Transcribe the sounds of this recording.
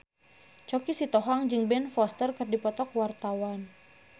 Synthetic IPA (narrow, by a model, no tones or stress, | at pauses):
t͡ʃɔkisit̪ɔɦaŋd͡ʒɨŋbɛnfɔst̪ərkɨrdipɔt̪ɔkwart̪awan